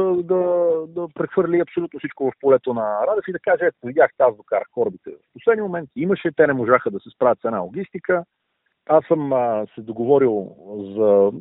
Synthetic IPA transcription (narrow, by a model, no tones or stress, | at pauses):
d̪ɐd̪ɐpɾɛxvɤɾlʲiɐpsolut̪nosit͡ʃkovɐfpolɛt̪onɐɾad̪ɛfid̪ɐkaʒɛvid̪ʲjaxt̪ɛazd̪okaɾəxkɔɾbit̪ɛvɐfposlɛd̪nimomɛnt̪iməʃɛt̪ɛnɛmoʒaxəd̪ɐsɛspɾavʲət̪sɛd̪na̰lˠoɡʲist̪ikə | asəmsɛd̪oɡovɔɾilˠzɐ